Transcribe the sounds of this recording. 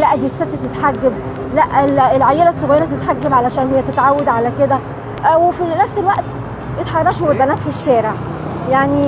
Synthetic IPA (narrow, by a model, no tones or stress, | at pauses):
læʔæd̪iːsːet̪ːæt̪et̪ħaɡːæb | læʔelelʕajːelæsˤːoɣæjeɾæt̪et̪ħaɡːæbʕalæʃæːnhejːæt̪et̪ʕawːæd̪ʕalæked̪æ | wefinæfselwæʔt̪ | jet̪ħɑrˤɑʃowelbænæːt̪fiʃːæːɾeʕ | jaʕni